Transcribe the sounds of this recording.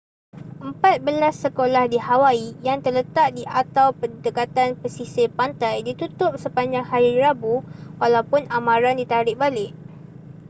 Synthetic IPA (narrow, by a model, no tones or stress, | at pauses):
ʔəmpat̪̚bəlasːəkolahdihawaijaŋt̪ərlət̪aʔ̚diʔat̪awpədəkat̪anpəsisɪpant̪ajdit̪ut̪ʊp̚səpaɲd͡ʒaŋhaɾiɾabuwalawpʊnamãɾandit̪aɾɪʔ̚balɪʔ